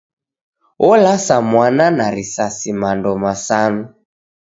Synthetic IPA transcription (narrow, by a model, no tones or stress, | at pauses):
ʔɔlasamwananaɾisasimandɔmasanu